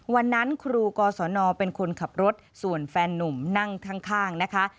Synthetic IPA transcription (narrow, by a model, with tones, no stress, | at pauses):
wa˧nːa˦˥nkʰɾuː˧kɔː˧sɔː˩˦nɔː˧pe˧nkʰo˧nkʰa˨˩p̚ɾo˦˥t̪̚su˨˩ənfɛː˧nːu˨˩mna˥˩ŋt̪ʰa˦˥ŋkʰaː˥˩ŋna˦˥kʰa˦˥ʔ